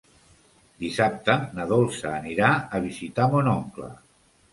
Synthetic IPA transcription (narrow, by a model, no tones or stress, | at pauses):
d̪isap̚t̪ənəðolˠsəːniɾaəβ̞izit̪amonɔŋklə̰